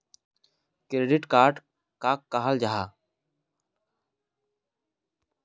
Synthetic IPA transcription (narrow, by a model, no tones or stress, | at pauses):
kɾeɖɪʈkaːɾʈ | kakːaɦəld͡ʒaɦaː